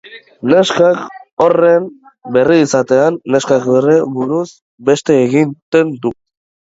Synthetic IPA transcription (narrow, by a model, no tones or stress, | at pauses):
ne̞skakoren | be̞riːsat̪e̞anːe̞skakβereβuɾuz | be̞st̪e̞ːɣint̪e̞nd̪u